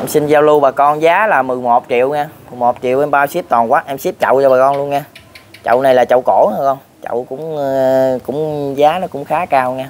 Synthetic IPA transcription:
ʔɛ˧msi˧nzaː˧wlu˧ɓaː˨˩kɔ˧nzaː˨˦laː˨˩mɨ˨˩jmo˨˩t̚t͡ɕḭ˧˨əwŋaː˧mɨ˨˩jmo˨˩t̚t͡ɕḭ˧˨əwʔɛ˧mɓaː˧wsi˦˥əp̚t̪ɔ˨˩nkwaː˦˥ʔɛ˧msi˦˥p̚t͡ɕə̰˧˨wt͡ɕɔ˧ɓaː˨˩kɔ˧nlu˧ənŋaː˧t͡ɕə̰˧˨wna˨˩jlaː˨˩t͡ɕə̰˧˨wko˧˩haː˧˩kɔ˧n | t͡ɕə̰˧˨wkʊ̰˧˥ŋ͡mkʊ̰˧˥ŋ͡mzaː˨˦nɔ˨˦kʊ̰˧˥ŋ͡mxaː˨˦kaː˧wŋaː˧

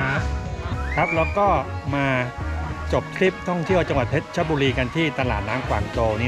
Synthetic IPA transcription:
kʰa˦˥p̚lɛː˦˥wkɔː˥˩maː˧ | t͡ɕo˨˩p̚kʰɾi˦˥˩p̚t̪ʰɔ˥˩ŋt̪ʰi˥˩əwt͡ɕa˧ŋwa˨˩t̪̚ʰːe˦˥t̪̚t͡ɕʰa˦˥buː˧ɾiː˧ka˧nt̪ʰiː˥˩t̪a˧la̰ː˨˩t̪̚naː˦˥ŋkʰwa̰ː˨˩ŋt͡ɕoː˧ni˦˥

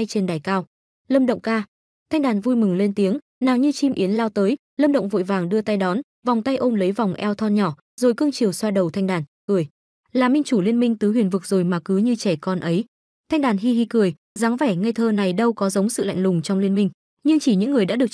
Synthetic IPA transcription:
a˧jt͡ɕe˧nɗaː˨˩jkaː˧w | lə˧mɗə̰˧˨wŋ͡mkaː˧ | t̪ʰa˧jŋ̟ɗaː˨˩nvu˧jmɨ˨˩ŋle˧nt̪i˨˦əŋ | naː˨˩ŋɲɨ˧t͡ɕi˧mʔi˨˦ənlaː˧wt̪əː˨˦j | ləː˧mɗə̰˧˨ŋ͡mvo̰˧˨jvaː˨˩ŋɗɨ˧ət̪a˧jɗɔ˨˦n | va˨˩wŋ͡mt̪a˧jʔo˧mlə˨˦jva˨˩wŋ͡mʔɛ˧wt̪ʰɔ˧nɲɔ˧˩ | zo˨˩jkɨ˧əŋt͡ɕi˨˩əwswaː˧ɗə˨˩wt̪ʰa˧jŋ̟ɗaː˨˩nkɨ˨˩əj | laː˨˩mï˧ŋ̟t͡ɕu˧˩li˧ənmï˧ŋ̟t̪ɨ˨˦ɦwḭ˨˩ənvɨ˨˩k̚zo˨˩jmaː˨˩kɨ˨˦ɲɨ˧t͡ɕɛ˧˩kɔ˧nʔə˨˦j | t̪ʰa˧jŋɗaː˨˩nɦi˧ɦi˧kɨ˨˩əj | zaː˨˦ŋvɛ˧˩ŋa˧jt̪ʰəː˧na˨˩jɗə˧wkɔ˨˦zə˨˦wŋ͡msɨ̰˧˨la̰˧˨ŋlʊ˨˩ŋ͡mt͡ɕɔ˧wŋ͡mli˧ənmï˧ŋ̟ | ɲɨ˧ŋt͡ɕi˧˩ɲɨ̰˧˥ŋːɨ˨˩əjɗa̰ː˧˥ɗɨ˨˩ək̚

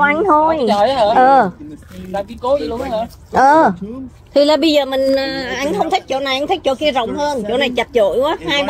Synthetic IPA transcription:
ʔa˧jŋ̟t̪ʰo˧jʔəː˨˩˧ | ʔəː˨˩ | t̪ʰi˨˩laː˨˩ɓə˧jzəː˨˩mï˨˩ŋ̟ʔəː˨˩ʔa˧jŋ̟xə˧wŋ͡mt̪ʰi˦˥k̚t͡ɕo̰˧˩na˨˩jʔa˧jŋt̪ʰk̚t͡ɕo̰˧˨˦ki˧zə̰˧˨wŋ͡mhəː˧nt͡ɕo̰˧˥˦na˨˩jt͡ɕə˨˩t̚t͡ɕo̰˧˨jkwaː˨˦haː˧j

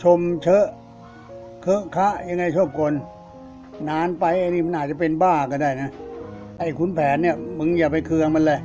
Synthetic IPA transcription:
t͡ɕʰo˧mt͡ɕʰɤ˦˥ʔ | kʰɤ˦˥ʔkʰa˦˥ʔja˧ŋːa˧jt͡ɕʰu˥˩əp̚kʰo˧nː | aː˦˥npa˧jʔa˧ni˧˥˩ma˧nʔaː˨˩t͡ɕa˨˩pe˧nbaː˥˩kɔː˧˩daː˥˩jna˦˥ʔa˧˩jkʰu˧˥npʰɛː˩˦nːi˥˩ɐmɯ˧˥˦ŋjaː˨˩pa˧jkʰɯ˧əŋma˧˥˨lɤ˧˩

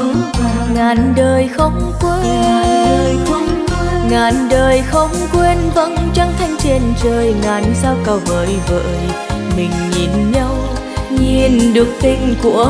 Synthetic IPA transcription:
ŋaː˨˩nɗəː˨˩jxə˧wŋ͡mkwe˧˥˨ | jə˧˦wŋ͡m | ŋaː˨˩nɗəː˨˩jxə˧wŋ͡mkwe˧nvə̰˧˥nt͡ɕa˧ŋt̪ʰa˧jŋ̟t͡ɕi˨˩ənt͡ɕəː˨˩jŋaː˨˩nsaː˧wkə˨˩wvəː˨˦jvə̰ː˧˨jmï˨˩ŋ̟ɲi˨˩nɲa˧w | ɲi˨˧˩nɗɨ˨˩ək̚t̪ï˧ŋ̟ku˧˩ə

